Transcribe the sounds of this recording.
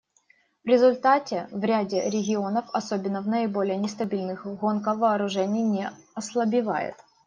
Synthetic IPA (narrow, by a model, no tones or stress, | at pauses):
vɾʲɪzʊlʲt̪atʲɪvɾʲadʲɪɾʲɪɡʲɪo̞nəfɐsobʲɪnːəvnəɪbo̞lʲɪjənʲɪst̪ɐbʲilʲnɨxɣo̞nkəvɐːɾʊʐɛnʲɪjnʲeɐslˠɐbʲɪva̰jɪ̰t̪